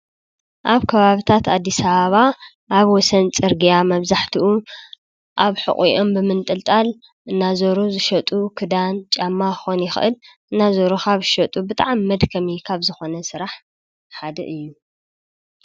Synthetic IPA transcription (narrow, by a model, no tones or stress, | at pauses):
ʔaβkʰɐβaβɨt̪ʰat̪ad̪ːisɐβaβa | ʔaβwɔsɐnt͡sʼɨɾɡijamɐβzaħt̪ʰiʔu | ʔaβħɨ̰χʼiʔo̞mbɨmɨnt̪ʼɨlt̪ʼal | ʔɨnːazoɾuzɨʃɐt̪ʼukʰɨd̪ant͡ʃʼamːaxonjɪxɨʔɨlʔɨnːazoɾuxʰaβɨʃɐt̪ʼubɨt̪ʼaʕamːɐd̪kʰɐmikʰaβzɨxo̞nɐsɨɾaħ | ħad̪ɐʔɨjːu